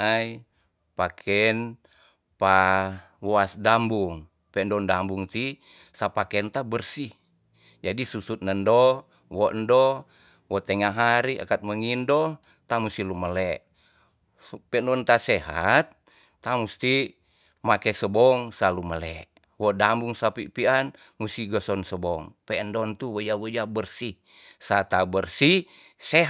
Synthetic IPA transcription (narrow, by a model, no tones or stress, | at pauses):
aj | pakʰɛn | pa | wɔasdambuŋ | pɛʔndɔndambuŋt̪i | sapakɛnt̪abərsi | d͡ʒadisusut̪̚nəndɔ | wɔʔndɔ | wɔt̪ɛŋaɦaɾia̰kat̪̚məŋindɔ | t̪amust̪iluməlɛʔ | pɛndɔnt̪asɛɦa̰t̪̚ː | amust̪i | makɛsəbɔŋsaluməlɛ̰ʔ | wɔdambuŋsapipian | musiɡɔsɔnsəbɔŋpɛəndɔnt̪uwəjawəjabərsi | sat̪abərsi | sɛɦ